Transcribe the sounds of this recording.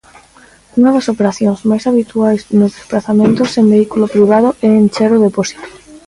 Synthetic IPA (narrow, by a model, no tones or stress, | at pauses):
uŋɐðɐsopeɾaθjoŋzmajsaβit̪uajznʊzðesplaθamẽnt̪ʊseŋbeikulopɾiβ̞aðoʔɛːnt͡ʃɛɾoðepɔsi̥t̪o̥